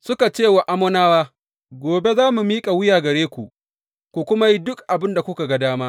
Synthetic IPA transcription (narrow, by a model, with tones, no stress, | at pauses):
sʊ˦ka˨t͡ʃeː˦˨wa˨ʔa˦mɔ˦naː˦waː˦ | ɡʷoː˨be˦zaː˦mu˨miː˦kʼa˨wʊ˦jaː˨ɡɐ˨ɽeː˦kʷu˨ʔ | kʷu˨kʷʊ˦ma˦ji˦dʊ˦kʔa˨bɪ˦nda˨kʷʊ˦ka˨ɡa˦daː˦maː˦